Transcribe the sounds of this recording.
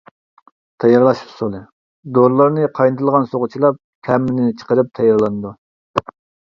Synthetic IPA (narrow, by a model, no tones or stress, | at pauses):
t̪ʰɑjɑɾlˠɑʃi̥psolˠɨ | d̪oɾlˠɑɾnɨqʰɑjnɨt̪ʰɨlˠʁɑnsoʁʊt͡ʃʰilˠɑp̚kʲʰɛmːɪnnɪt͡ʃʰə̥qəɾɨp̚t̪ʰɑjɑɾlˠɑnɨd̪u